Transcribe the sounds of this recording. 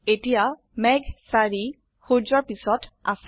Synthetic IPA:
etija | mɛɡsaɹi | xuɹzɔɹpisɔta̰s

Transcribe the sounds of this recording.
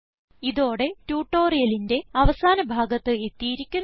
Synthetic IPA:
iðo̞ːɽe̞tuːʈːo̞ːrijɐlinde̞ɐʋɐsaːnɐbʱaːɡɐt̪ːɨe̞t̪ːijiɾikʲːun

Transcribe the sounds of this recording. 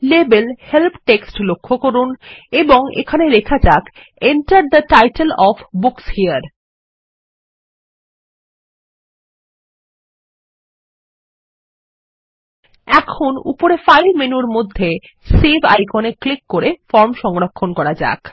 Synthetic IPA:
lebelhelpʈeksʈlokʰːokoɾuneboŋḛkʰaneɾekʰad͡ʑak | eɳʈaɾɖ̚d̪əʈajʈelɔfbukshiəɾ | ɛkʰonṵpoɾefajlmenuɾmod̪ʱːe | sebʱa̰jkoneklikːoɾefɔɾmʃɔŋɾokʰːonkɔɾad͡ʑa̰k

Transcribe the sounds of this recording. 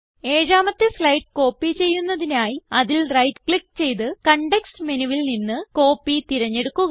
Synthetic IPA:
e̞ːɾaːmɐt̪ːeflɐjʈ̚ko̞ːpːit͡ɕe̞jːunːɐðinaːjiɐðilrɐjtkɭik̚ːt͡ɕe̞jt̪ɨkɐɳɖeksmenuʋilninːɨko̞ːpːit̪iɾɐɲːe̞ɽukːuɣɐ

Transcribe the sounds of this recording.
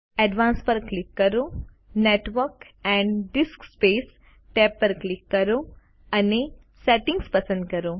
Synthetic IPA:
ɛɖʋãːnspəɾklɪkːəɾo | neʈʋəɾk | ɛ̃ɳɖɖiskspeːs | ʈeːpːəɾklikːɐɾo | ɐne | sɛʈĩŋɡspɐsə̃nd̪̚kɐɾo

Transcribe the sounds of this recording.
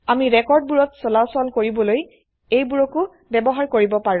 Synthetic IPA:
amiɹɛkɔɹd̚buɹɔtsɔlasɔlkoɹibɔloj | ejbuɹɔkʊ | bɛbɔɦaɹkoɹibɔpaɹũ

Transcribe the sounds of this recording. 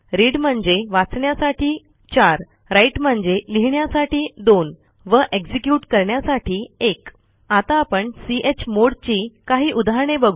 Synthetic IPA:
ɾiɽm̤əɳd͡zeʋat͡sɳjasaʈʰiː | t͡ɕaɾ | ɾajʈm̤əɳd͡zd͡ʑeliɦɳjasaʈiːd̪on | ʋəʔeɡd͡ʑikjuʈkəɾɳjasaʈʰiːek | at̪aːpəɳsiʔet͡ɕmoɽt͡ɕiːkaɦiːʔud̪ʱaɦɳebəɡʱ

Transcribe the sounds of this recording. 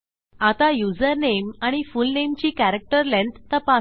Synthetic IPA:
at̪ajud͡zəɾnemaɽ̃ifulnemt͡ɕiːkæɾək̚ʈəɾlẽnt̪ːəpa

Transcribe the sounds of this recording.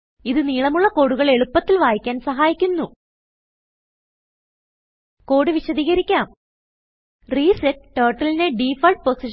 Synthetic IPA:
iðɨniːɭɐmuɭːɐko̞ɽuɣɐɭe̞ɭupːɐt̪ːilʋaːjikʲːaːnsɐɦaːjikʲːunːu | ko̞ːɽɨʋiɕɐðiːɣɐɾikʲːaːm | riːseʈʈɐːrʈːɐlineɖiːfɐrʈ̚posi

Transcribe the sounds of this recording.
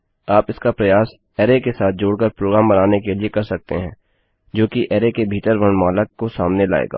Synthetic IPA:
aːpɪskapɾɐjaːs | ɛːɾekesaːt̪̚ʰd͡ʒoːɽkəɾpɾoːɡɾaːmbɐnaːnekeliekɐɾsɐk̚t̪eɦɛ̃ː | d͡ʒoːkiʔɛːɾekebʱiːʈəɾʋɐ̃ɳmaːləkkːosaːmnela̰ːḛːɡa̰ː

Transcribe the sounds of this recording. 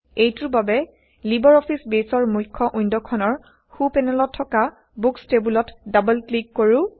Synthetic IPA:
ejtuɹbabɛ | libɔɹɔpʰisbesɔɹmujkʰːɔʔujndɔkʰɔnɔɹ | xupɛnɛlɔtʰːɔka | bukstebulɔtdabəlklikːoɹʊ̃

